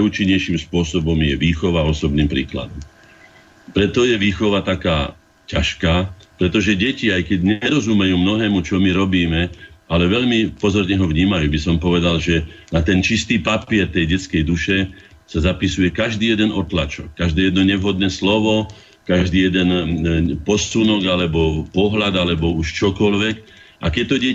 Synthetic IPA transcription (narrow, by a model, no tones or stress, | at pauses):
auːt͡ʃiɲːɛjʃimspʊɔsɔbɔmjɛʋiːxɔʋaɔsɔbniːmpɾḭːkla̰d̪ɔm | pɾɛt̪ɔjɛʋiːxɔʋat̪akaː | caʃkaːpɾɛt̪ɔʒɛɟɛciajkɛɟɲɛɾɔzumɛjuːmnɔɦɛːmut͡ʃɔmiɾɔbiːmɛalɛʋɛʎmipɔzɔɾɲɛɦɔʋɲiːmajuːbisɔmpɔʋɛd̪alʒɛnat̪ɛnt͡ʃist̪iːpapiɛɾt̪ɛjɟɛt͡skɛjd̪uʃɛ | sazapisujɛkaʒd̪iːjɛd̪ɛnɔt̪la̰t͡ʃɔ̰kːaʒd̪ɛːjɛd̪nɔɲɛʋɦɔd̪nɛːslɔʋɔ | kaʒd̪iːjɛd̪ɛnpɔsunɔɡalɛbɔpɔɦlad̪alɛbɔuʃt͡ʃɔkɔlʋɛk | ʔa̰kɛc̚t̪ɔɟɛ